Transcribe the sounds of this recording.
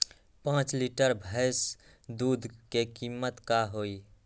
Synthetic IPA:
pãt͡ʃliʈəɾbʱəjs | d̪ud̪ʱkekimːət̪kaɦoi

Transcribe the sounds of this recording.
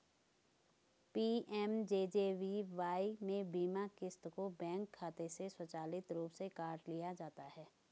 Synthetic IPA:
piːɛmd͡ʒeːd͡ʒeːʋiʋaːimẽbiːmakɪst̪kobɛ̃ːŋkʰːaːt̪eseswɐt͡ʃaːlɪt̪ɾuːpsekaːɾʈlijad͡ʒaːt̪aɦɛː

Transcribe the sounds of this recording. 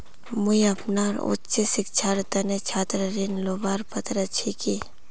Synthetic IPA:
muiɐpnaːɾṵtt͡ʃesɪk̚t͡ʃʰaːɾt̪ɐnet͡ʃʰaːt̪ɾəɾinloːbaːɾpɐt̪ɾɐt͡ʃʰiki

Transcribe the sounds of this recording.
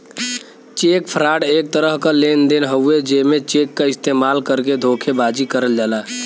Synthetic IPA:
t͡ʃekpʰəɾaːɽek̚t̪əɾəɦkalend̪enɦəued͡ʒemet͡ʃekːaɪst̪emalkəɾked̪ʱokʰebad͡ʒikəɾəld͡ʒaːla

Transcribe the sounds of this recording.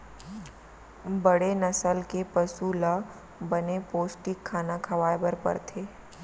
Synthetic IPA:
bɐɽenɐsəlkepɐsula | bənepoːsʈɪkʰːaːnakʰɐʋaːjbəɾpə̰ɾt̪ʰeː

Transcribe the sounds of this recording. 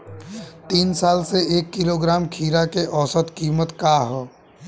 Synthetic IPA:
t̪iːnsaːlseeːkːɪloɡɾaːmkʰiːɾakeʔɔːsət̪kiːmət̪kaːɦɛː

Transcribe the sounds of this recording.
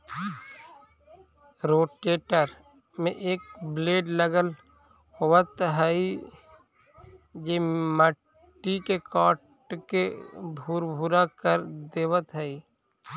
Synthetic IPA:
ɾoːʈeːʈəɾ | mḛ̃ʔeːk̚bleːɖləɡəl | hoʋət̪ɦɛi | d͡ʒeːmə | ʈːikekɔːʈ | kebʱuːɾbʱuɾakəɾd̪eːʋət̪ɦɛi

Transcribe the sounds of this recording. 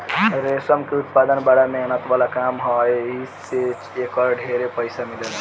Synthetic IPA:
ɾesəmkeut̪̚pad̪ənbaɽamenət̪ʋalakamɦɔjis | et͡ʃekɔɾɖʱeɾepəjsamiləl

